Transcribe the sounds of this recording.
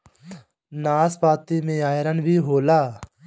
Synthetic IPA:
naːspaːt̪iːmẽːaːjɾənbʱiːɦoːlaː

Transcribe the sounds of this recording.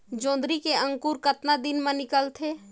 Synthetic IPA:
d͡ʒõːd̪ɾikeə̃ŋkuːɾkət̪nad̪ɪnmẽnɪkəlt̪ʰeː

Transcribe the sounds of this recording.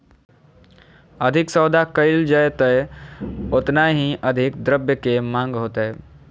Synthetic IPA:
əd̪ʱɪksəʊd̪ʱakəɪld͡ʒəjt̪əɛ | ʊt̪naɦĩʔəd̪ʱɪkd̪ɾəbjəkemãːŋɡɦoːt̪aɦɛː

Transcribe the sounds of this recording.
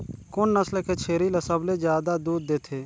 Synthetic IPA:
kʊnːəslkeːt͡ʃʰeːɾiləsəbleːd͡ʒjaːd̪aːd̪uːd̪ːeːt̪ʰeː

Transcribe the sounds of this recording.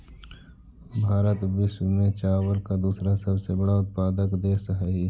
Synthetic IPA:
bʱaːɾət̪bɪʃmẽt͡ʃaːwəlkad̪uːsɾasɐbsebɐɽaʊt̪̚paːd̪əkd̪eːsɦai

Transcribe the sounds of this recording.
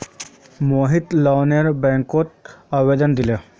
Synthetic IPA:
moɦit̪lɔwneɾbɛ̃ŋkot̪̚əʋed̪ənd̪ile

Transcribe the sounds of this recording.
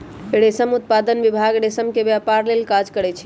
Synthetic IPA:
ɽesəmut̪̚pad̪ənbibʱaɡɽesəmkebjapaɾlelkad͡ʒkəɾɛt͡ʃʰ

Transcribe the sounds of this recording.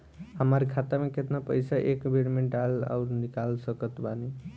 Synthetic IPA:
ɦəməɾkʰat̪ameket̪napəjsaʔekbʱiɽmeɖala̰ʊɾnikalsəkət̪bani

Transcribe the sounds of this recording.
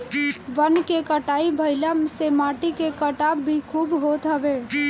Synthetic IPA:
ʋənkekəʈaːibʱəɪləmsemaːʈikekəʈabbʱikʰuːbɦot̪ɦəʋe

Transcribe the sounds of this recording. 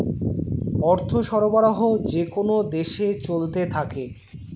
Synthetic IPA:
ɔɾt̪ʰoʃɔɾobaɾoɦod͡ʑekonod̪eʃet͡ɕolt̪et̪ʰake

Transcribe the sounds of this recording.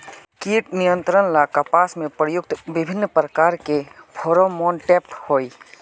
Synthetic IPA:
kiːʈnijə̃nt̪ɾənlakapaːsmẽpɾəjʊk̚t̪bɪbʱɪnːpɾəkaːɾkepʰoːɾomɔːnʈɛːphoːi

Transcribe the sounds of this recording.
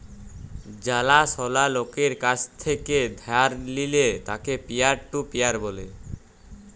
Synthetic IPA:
d͡ʑalaʃɔlalokeɾkat͡ɕʰt̪ʰeked̪ʱɛaɾlilet̪akepiaɾʈupiaɾbole

